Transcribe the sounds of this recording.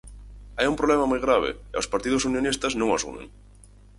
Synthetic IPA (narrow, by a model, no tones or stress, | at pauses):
ajumpɾolɛmamojɣɾaβ̞ɪ̰ɪo̰wspaɾt̪iðʊsunjonist̪ɐznõŋasṵmḛ̃ŋ